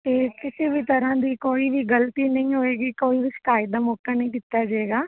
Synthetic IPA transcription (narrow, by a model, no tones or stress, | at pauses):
tt̪eːkɪsiːbʱiːt̪əɾãːd̪iːkoːiːbʱiːɡəlt̪iːnəɦĩːɦoːeːɡiːkoːiːbiːsɪ̥kaːid̪aːmoːkaːnəɦĩːɡɪt̪ːaːd͡ʒaeːɡaː